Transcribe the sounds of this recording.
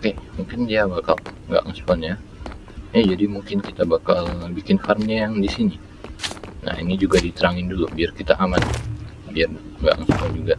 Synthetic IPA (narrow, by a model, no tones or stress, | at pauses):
okemuŋkɪndiabakalŋɡa̰ʔŋspɔnja | jad͡ʒadimuŋkɪnkit̪abakalbikɪnharmɲajaŋdisini | na̰hinid͡ʒuɡadit̪əɾaŋɪndulubiarkit̪aʔaman | biar | ŋɡa̰ʔŋspɔnd͡ʒuɡa